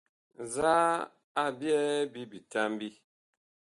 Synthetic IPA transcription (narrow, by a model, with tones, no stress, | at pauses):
za˦ | a˦bjɛ˦bi˦bi˨ta˦m˦bi˦